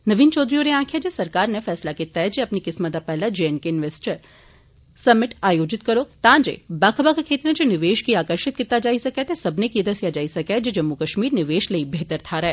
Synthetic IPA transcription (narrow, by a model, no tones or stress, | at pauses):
nɐʋiːnt͡ʃɔːd̪ɾijoneãːkʰjad͡ʒesɐɾkaːɾnefɛːslaket̪ɛːd͡ʒeɐpnikɪsmət̪apɛɦlad͡ʒeenkeɪnʋeːsʈəɾ | sɐmːɪʈaːjoːd͡ʒɪt̪kɐɾoːt̪ãːd͡ʒḛːbaːkʰəbakakʰeːt̪ɾnẽd͡ʒenɪʋeːʃkiaːkəɾʃɪt̪̚kɪt̪ːad͡ʒaːisɐkɛt̪esɐbʱnekied̪ɐsijad͡ʒaːisɐkɛd͡ʒed͡ʒɐmːukəʃmiːɾnɪʋeːʃleibʱeːt̪əɾt̪ʰaɾɛː